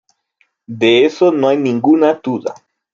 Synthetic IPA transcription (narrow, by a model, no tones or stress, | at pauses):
d̪eesonoajniŋɡunat̪ud̪a̰